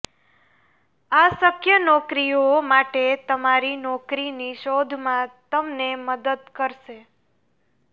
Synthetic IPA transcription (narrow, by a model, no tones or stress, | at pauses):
asəkʰjənɔkɾijomaʈet̪əmaɾinɔkɾiniʃod̪ʱmãt̪əmneməd̪əd̪̚kəɾʃe